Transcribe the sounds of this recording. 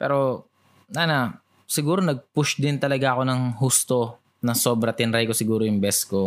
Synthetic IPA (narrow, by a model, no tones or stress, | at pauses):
pɛ̰ːɾo̞ | nana | sɪɡuːɾo̞nɐɡ̚pʊʃd̪ɪnt̪ɐlɐɡaʔɐko̞nɐŋɦust̪o̞ | nɐso̞bɾɐt̪ɪnɐɾajkosɪɡuːɾo̞jʊŋbɛsko̞